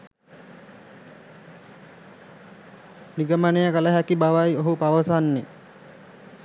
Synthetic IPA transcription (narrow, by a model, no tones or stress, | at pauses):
niɡəmanejəkələɦækibaʋajoɦupaʋəsanːe